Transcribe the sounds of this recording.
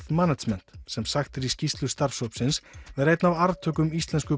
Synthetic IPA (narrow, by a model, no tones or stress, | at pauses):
θmanasmɛn̥t̪sɛmsaxt̪ɪɾiscist̪lʏst̪aɾfsowpsɪnsvɛɾejt̪navaɾðt̪ʰœːkʏmist̪lɛnskʏ